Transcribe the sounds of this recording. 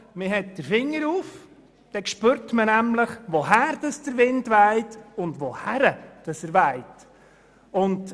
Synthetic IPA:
mɪɦɛt̚d̥əɾfɪŋːəɾuːf | d̥ɛkʃpøːɾtmənæmləχʋohæːɾd̥ɑsd̥əɾʋɪndʋæɪtʊndʋohæɾəd̥ɑsəɾʋæɪt | ʊnd

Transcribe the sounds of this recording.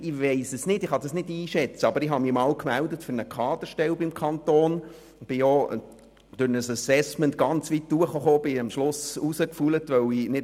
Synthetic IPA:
ɪʋeɪsəsnɪtɪχɑd̥ɑsnɪdiːʃɛt͡səɑbəɾɪɦɑmimɑːwkmældətfʏɾnəkʰɑːd̪əʃtɛlbɪmkʰɑnt̪oːn | b̥ɪjo | d̥ʊɾnəsəsɛsmɛntɡ̥ɑnt͡sʋitduəχoχoːb̥ɪɑmʃlʊsusəkfulətʋœwinɪ

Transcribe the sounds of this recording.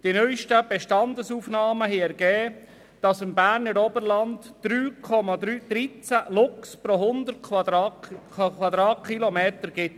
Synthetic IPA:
d̥inœʏʃtəb̥ɛʃtɑnd̪əsuːfnɑːməɦɛɛɾɡ̥ɛː | d̥ɑsɪmbæːɾnəɾɔbəɾlɑndd̥ɾyːkʰɔmɑd̪ɾyːd̥̪ɾit͡sælʊkspɾɔɦʊnd̪əɾtʰdɑkʰʋwɑd̪ɾɑːtkʰχilɔmeːt̪əɾɡɪt

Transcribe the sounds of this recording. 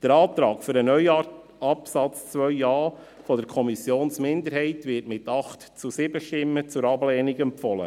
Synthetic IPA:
d̪̥əɾɑːt̪ɾɑːkfʏɾənœʏ | ɑpsɑt͡st͡sʋœʏɑː | fɔd̥əɾkʰɔmisjoːnsmɪnd̪əɾɦɛɪtʋɪːtmɪtɑχtt͡susɪbəʃtɪmːət͡sʊɾɑblɛːniɡɛmpfɔlə̰

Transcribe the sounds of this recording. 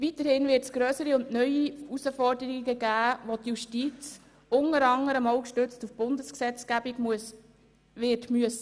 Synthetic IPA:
vitəɾhɪnvɪːtsɡ̥ɾœːsəɾiʊndnœʏiusəfɔrdəɾiɡəɡæːʋotjuʃtiːt͡s | ʊŋəɾɑŋəɾəmoʊkʃtʏt͡stufb̥ʊndəsksɛt͡sɡ̥æbiɡ | ʋɪtmyəsə

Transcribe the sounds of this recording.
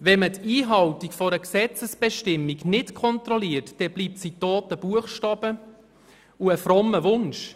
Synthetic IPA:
ʋɛmətʰiːɦɑwtikfɔɾəksɛt͡səsb̥ɛʃtɪmːiknɪtkʰɔnt̪ɾɔliərtd̥ɛb̥liːp̚sitoːtəb̥uəχʃtɑːb̥ə | uəfɾɔmːəvʊnʃ

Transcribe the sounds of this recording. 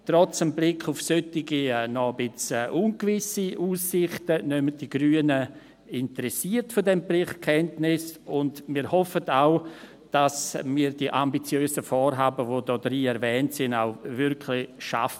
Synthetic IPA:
trɔt͡səmblɪkʰːʊfsøtɪɡinɔəbɪt͡sːʔunkvɪsiʔuːsːɪχtənœməd̥iɡɾyːənə | ɪntəɾɛsiːəɾtfɔdɛmplɪχkʰɛntnɪsʊndmiːɾhɔfətaʊ | d̥asmiːɾdiʔambit͡sjøːsəfɔːɾɦaːbəvodɔːdɾiːɛɾvɛːntsɪna̰ʊvɪɾkʰlɪʃa̰fə

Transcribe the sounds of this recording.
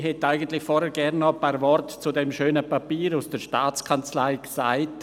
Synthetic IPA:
hɛtaɪɡən̩tlɪçfɔɾhɛɾɡɛɾnːɔpaːɾvɔrtt͡sudɛmʃøːnəpapiːɾusd̥əɾʃtaːt͡skʰant͡slaɪksaɪt

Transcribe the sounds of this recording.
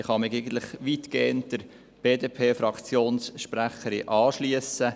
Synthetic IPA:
ɪχɑmɪɡɛɡən̩tlɪχʋitkeːənt̚d̥əɾ | b̥eːdeːpʰeːfɾɑkt͡sjoːnsʃpɾæχəɾiʔɑːʃliəsə

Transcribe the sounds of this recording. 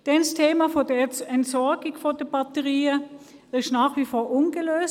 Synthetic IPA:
d̥ɛnstʰeːmafodəɛntsɔɐɡɪɡfod̥əb̥ɑtəʁiːə | ɪʃnaːχʋifoːɐʔʊnɡəløːs

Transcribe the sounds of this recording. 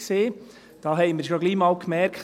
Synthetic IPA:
seː | d̥ɑːɦɛɪmɪɾʃoɡliːmɑːlkmɛɾkχ

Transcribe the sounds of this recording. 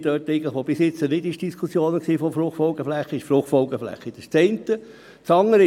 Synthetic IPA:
d̥œːtɛɪɡən̩ləχʋob̥ɪsjɪt͡sːənɪdɪʃd̥iskʰusjoːnəksiːfɔfɾʊχtfɔlɡ̥əflɛχːəɪʃfɾʊχtfɔlɡ̥əflɛ̰χːəɪd̥əst͡sɛɪnt̪ə | t͡sɑŋːəɾ

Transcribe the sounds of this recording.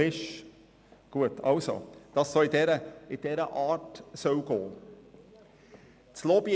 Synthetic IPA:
ɪʃ | ɡ̥uət̪ʰɑlso̰d̥ɑsːoɪd̪ɛɾəɪd̥̪ɛɾəʔɑːtsœʊɡ̥oː | t͡slobj

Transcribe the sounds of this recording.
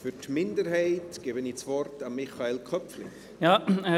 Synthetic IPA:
fytmɪndəɾɦɛɪtɡ̥eːbəniːt͡svɔrtamːɪχaelkʰœpflɪ̰ | jaː

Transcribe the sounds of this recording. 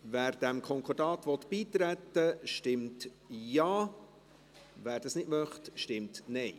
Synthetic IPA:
væːɾd̥æmkʰɔŋkʰɔɾdɑːt̪ʋɔt̪b̥iːt̪ɾæt̪ːəʃtɪmt | jɑː | væːɾdɑsnɪdmœχtʃtɪmtnɛɪ

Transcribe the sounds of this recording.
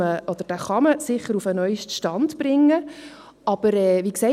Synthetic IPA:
əɔd̥̪əɾd̥æχɑməsɪχːəɾufənœʏʃtʃtɑndb̥ɾɪŋːə | ɑb̥əɾɛːʋiːksɛ

